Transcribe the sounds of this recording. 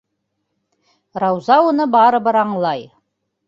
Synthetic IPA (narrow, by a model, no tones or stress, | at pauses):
ɾɑwzɑwonɤbɑɾɤ̆bɤɾɑɴlˠɑj